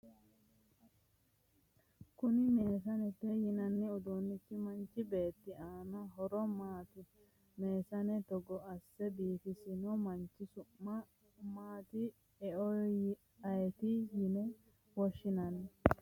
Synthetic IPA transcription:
kʊnɪmeːs̬ɐnɛt̪ːɛjɪnɐnːɪʊd̪oːnːɪt͡ʃːɪmɐnt͡ʃːɪbe̞ːt̪ːɪaːnɐɦɔɾɔmaːt̪ɪ | me̞ːsɐnɛt̪ɔɡɔɐsːɛbiːfɪsɪnɔmɐnt͡ʃːɪsʊ | maːt̪ɪ | ɛɔ | ɐjɛt̪ɪjɪnɛ | wɔʃːɪnɐnɛ

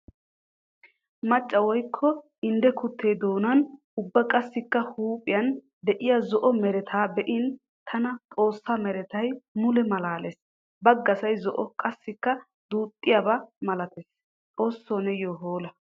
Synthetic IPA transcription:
mɐt͡ʃʼːɐwɔjkʰːɔ | ɪnd̪ɛkʊt̪ʰːe̞ːd̪o̞ːnɐn | ʊbːɐkʼɐsːɪkːɐhuːpʼːɪjɐn | d̪ɛʔɪjɐzɔʔɔmɛɾɛt̪ʰaːbɛʔɪn | t̪ʰɐnɐt̪ʼo̞ːsːamɛɾɛt̪ɐjmʊlɛmɐlaːles | bɐɡːɐsɐjzɔʔɔkʼɐsːɪkːɐ | d̪uːt̪ʼːɪjabɐmɐlɐt̪es | t̪ʼo̞ːsːoːnɛjoɦoːlɐ

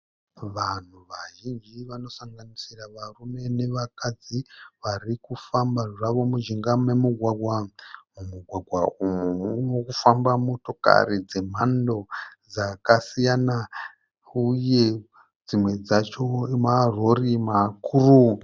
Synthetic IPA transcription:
ʋan̤uʋaʒind͡ʒiʋano̞saŋɡanisiraʋarume̞ne̞ʋakad͡ziʋarikufambaʐaʋo̞muʒiŋɡamemuɡʱwaɡʱwawomuɡʱwaɡʱwaumuunokufambamoto̞ka̰ɾid͡ze̞m̤ando̞d͡zakasijana | uje̞ | d͡zimwe̞d͡zat͡ʃomaro̞rimakʰuru

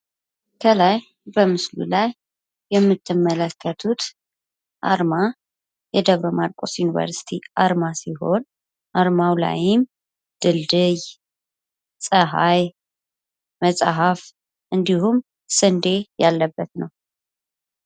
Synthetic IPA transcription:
kʰəlaj | bəmɨslṵlajː | ɛmːɨt̪ʰːɨmːələkʰːət̪ʰut̪ | ʔa̰ɾma | jɛd̪əβɾomaɾkʼosjunivə̰ɾsi̥t̪ʰiʔaɾmasiɦo̞n | ʔaɾmawla̰jɪm | d̪̥ɨld̪ɨj | sʼəɦaj | məsʼaɦaf | ʔɨnd̪ihum | sɨnd̪ejalːəbːət̪nəw

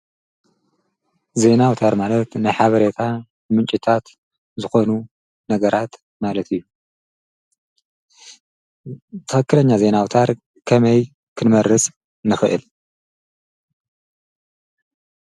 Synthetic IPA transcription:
ze̞nawt̪ʰaɾmalɐt̪nɨħaβɐɾe̞t̪ʰa | ɨmɨnt͡ʃʼit̪ʰat̪ | zɨxo̞nu | nɐɡɐɾʔat̪ | malɐt̪ʰɨjːu | t̪ʰɨxɨkːɨlɐɲːaze̞nawt̪ʰaɾ | kʰɐmɐj | kʰɨnmɐɾːɨsʼ | nɨxɨʔɨ̰l

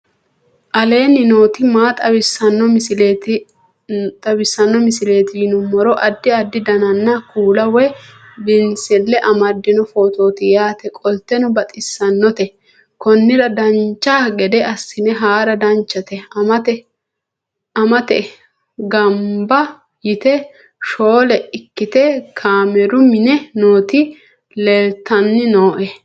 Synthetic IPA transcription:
ʔɐle̞ːnɪno̞ːt̪ɪmaːt̪ʼɐbɪsːɐnːɔmlt | t̪ʼɐbɪsːɐnːɔmɪsɪle̞ːt̪ɪnʊmːɔɾɔʔɐd̪ːɪɐd̪ːɪd̪ɐnɐnːɐkuːlɐwɛ | bɪnsɛlːɛʔɐmɐd̪ːɪnɔfo̞ːt̪o̞ːt̪ɪjaːt̪ɛkʼɔlt̪ɛnɔbɐt̪ʼɪsːɐnːɔt̪ɛ | kɔnːɪɾɐd̪ɐnt͡ʃːaɡɛd̪ɛɐsːɪnɛɦaːɾɐd̪ɐnt͡ʃːɐt̪ɛmɐt̪ɛ | ɐmɐt̪ɛ | ɡɐmbɐ | jɪt̪ɛ | ʃoːlɛɪkːɪt̪ɛkʰaːmɛɾʊmɪnɛnoːt̪ɪ | lɛlt̪ːɐnːɪnoːʔɛ

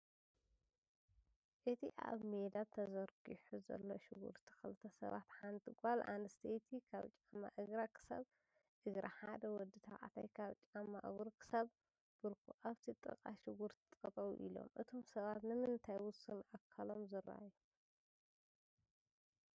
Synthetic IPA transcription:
ʔɨt̪ʰiʔa̰βmed̪at̪ʰɐzɐɾɡiħuzɐ̰lːoʃɪɡṵɾt̪ʰi̥xɨlɨt̪ʰɐsɐ̰βa̰t̪ħant̪ʰiɡalʔa̰nɨst̪ʰejt̪ʰikʰaβt͡ʃʼamːa̰ʔɨɡɾakʰɨ̥sa̰β | ʔɨɡɾaħad̪ɐwɔd̪ɨt̪ʰaʔʼa̰t̪ʰajkʰaβt͡ʃʼamːaʔɨɡɾkʰɨ̥saβ | b̥ɨɾkʰuʔaβt̪ʰit̪ʼɨ̰kʼaʃɪɡuɾt̪ʰit̪ʼɐt̪ʼɐwṵʔḭlo̞̰mʔɨt̪ʰo̞msɐβat̪nɨmɨnt̪ʰajwʊsɨnʔakʰːalo̞mzɨɾa̰ju

